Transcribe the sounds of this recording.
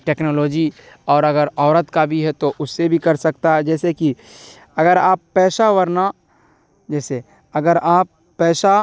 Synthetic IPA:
ʈeːknoːloːd͡ʒi | ɔːɾɐɡəɾɔːɾət̪kabʱiɦɛt̪oʔʊsːebʱikɐɾsɐkt̪aɦɛd͡ʒɛːseki | ɐɡəɾaːpːɛːʃaʋəɾna | d͡ʒɛːse | ɐɡəɾaːpːɛːʃa

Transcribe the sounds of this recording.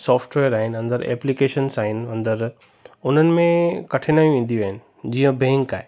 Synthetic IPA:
sɔːfʈʋeːəɾaːɦɪnɪɐ̃nd̪əɾɛ̰ːplikeːʃənsaːɦɪnɪɐ̃nd̪əɾ | ʊn̤ənɪ̆mẽkɐʈʰenaːj̃ʋẽːn̆d̪iʋaːɦɪnɪ̆ | d͡ʑiːə̃bɛ̃ŋka̰ːɦe

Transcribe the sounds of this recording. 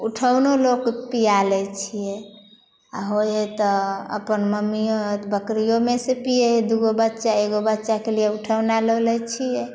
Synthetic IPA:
uʈʰəwnolokpijalɛt͡ʃʰijɛ | a̰ɦojet̪ɔə̰pənməmijoɦt̪bəkɾijomesepijed̪uɡobətːʃaeɡobətːʃakelijeuʈʰəwnaləlɛt͡ʃʰijɛ

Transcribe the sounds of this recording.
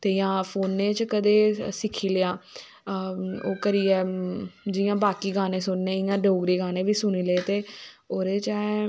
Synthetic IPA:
t̪eːjãːpʰoːnːẽːt͡ʃkəd̪eːsɪkʰiːləaː | oːkəɾiːɛːd͡ʒɪjãːbaːkiːɡaːneːsʊnːeːɪjãːɖoːɡɾiːɡaːnẽːʋiːsʊniːleːt̪eːoːɾeːt͡ʃɛː

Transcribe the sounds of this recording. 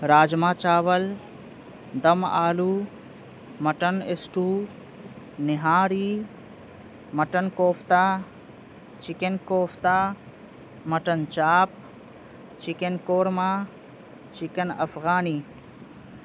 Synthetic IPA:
ɾaːd͡ʒmãːt͡ʃaːʋəl | d̪ɐma̰ːluː | mɐʈənesʈuː | nɪɦaːɾiː | mɐʈənkoːpʰt̪aː | t͡ʃikenkoːpʰt̪aː | mɐʈənt͡ʃaːp̚ | t͡ʃikenkoːɾmaː | t͡ʃɪkɐnɐ̰fʰɣaːniː

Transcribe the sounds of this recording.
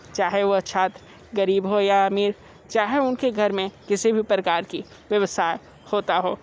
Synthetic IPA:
t͡ʃaːɦeʋoɐt͡ʃʰaːt̪ɾ | ɡɐɾiːbɦojaɐmiːɾ | t͡ʃaːɦeʊnkeɡʱɐɾmẽkɪsibʱipɾɐkaːɾki | ʋjɐʋəsaːe | hoːt̪aɦoː

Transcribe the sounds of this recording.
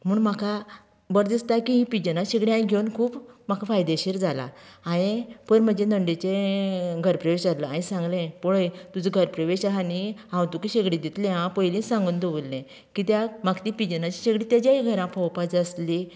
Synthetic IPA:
m̤uːɳmakʰa | bəɾd̪ist̪akiɦĩpid͡ʑənaɕeɡɽiãjɡʱewnkʰuːpmakʰafajd̪eɕiɾd͡zala̰ajẽpənməd͡ʑenəɳɖet͡ɕeɡʱəɾpɾəʋeɕaləãĩsãŋɡlẽpɔɭəjt̪ud͡zəɡʱəɾpɾəʋeɕaɦaniãwt̪ukiɕeɡɽĩd̪it̪lẽãpəjlĩsãŋɡund̪əʋulːẽ | kit̪jamakt̪ipid͡ʑənat͡ɕiɕeɡɽĩt̪jad͡ʑjaɦiɡʱəɾãpʰɔwpad͡zəsli

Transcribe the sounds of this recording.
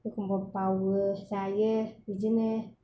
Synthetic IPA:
ekumbɔpawəsajəid͡ʒine

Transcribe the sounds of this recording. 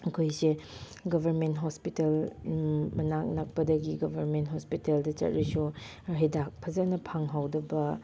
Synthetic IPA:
ɐkʰojse | ɡɐbʱɐɾmentɦospitel | mɐnak̚nɐk̚pɐdɐɡiɡɐbʱɐɾmentɦospiteldɐt͡ʃɐ̰t̚ɾisu | ɦedak̚pʰɐzɐnɐpʰaŋɦawdɐbɐ

